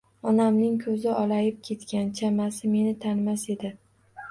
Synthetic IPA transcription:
ɒnamnɪŋkʰɵzɪʔɒlajɪp̚kʲʰe̞t̪kʲant͡ʃʰamasɪme̞nɪt̪ʰanmase̞d̪ɪ

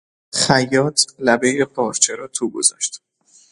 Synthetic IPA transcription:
χæjːɒːt̪ʰlæbe̞jepʰɒːɾt͡ʃʰeɾɒːt̪ʰuːɡo̰zɒ̰ːʃt̪

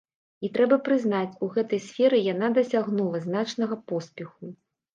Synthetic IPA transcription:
it̪ɾɛbɐpɾɨznat͡sʲuɣɛt̪ɐjsʲfʲɛɾɨjanad̪ɐsʲaɣnulˠɐznat͡ʂnɐɣɐpɔspʲɛxu

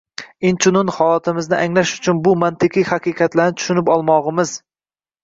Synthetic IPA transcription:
ɪnt͡ʃʰʊnʊnhɒlˠɒt̪ʰɪmɪznɪʔaŋlaʃʊt͡ʃʰʊnbʊmant̪ʰɪqʰihaqiqʰɑt̪laɾnɪt̪ʰʊ̥ʃʊnɪpɒlˠmɒʁɨmɪz

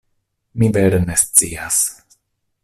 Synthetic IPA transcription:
mivɛɾnest͡sia̰s

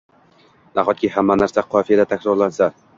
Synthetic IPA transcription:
naχɒt̪̚kʲɪhamːanaɾsaqʰɒfijad̪at̪ʰakʲɾɒɾlansa

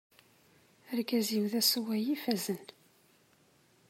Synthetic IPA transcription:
əɾkæziwðæswæjifæzən

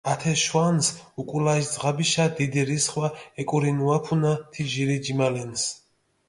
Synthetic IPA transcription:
at̪ʰɛʃwansukʼulaisd̪zʁabiʃad̪id̪iɾisχwaɛkʼuɾinuapʰunat̪ʰiʒiɾid͡ʒimalɛns

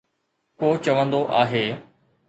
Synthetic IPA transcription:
koːt͡ɕɐʋə̃nd̪oʔaːɦeː

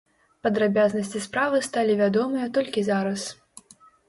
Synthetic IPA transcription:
pɐd̪ɾabʲaznɐsʲt͡sʲispɾavɨst̪alʲivʲad̪ɔmɨjɐt̪ɔlʲkʲizaɾɐs

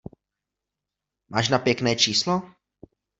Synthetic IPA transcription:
mʔaːʃnapjɛknɛːt͡ʃiːslo

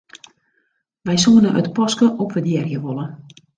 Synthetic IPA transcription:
ʋɛjsuənəʔə̰tpɔskəʔɔpʋədjɛrjəʋolˠə

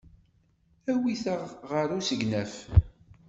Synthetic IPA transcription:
æwiθəʁʁəɾusəɡnæf

